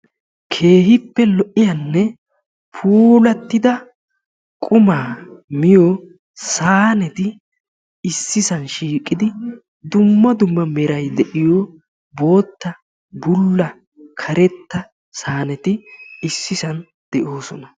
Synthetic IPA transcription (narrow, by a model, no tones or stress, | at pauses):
kʰe̞ːɦɪpːɛlɔʔɪjɐnːɛ | pʰuːlɐt̪ːɪd̪ɐ | kʼʊmaːmɪjɔ | saːnɛt̪ɪ | ɪsːɪsɐnʃiːkʼːɪd̪ɪ | d̪ʊmːɐd̪ʊmːɐmɛɾɐjd̪ɛʔɪjɔ | bo̞ːt̪ːɐ | bʊlːɐ | kʰɐɾɛt̪ːɐ | saːnɛt̪ɪɪsːɪsɐn | d̪̥ɛʔo̞ːsɔnɐ